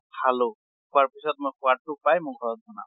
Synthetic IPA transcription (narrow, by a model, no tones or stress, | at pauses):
hʰalo | kʰʊaɹpisɔt̚mojkʰʊwatupajmɔkʰɔɹɔt̚zɔna̰